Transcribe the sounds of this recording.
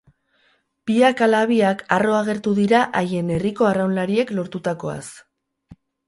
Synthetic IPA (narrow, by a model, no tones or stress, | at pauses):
piakalaβ̞iakaro̞aɣ̞e̞ɾt̪uðiɾaʔaje̞ne̞riko̞arawnlaɾie̞klo̞ɾt̪ut̪ako̞a̰s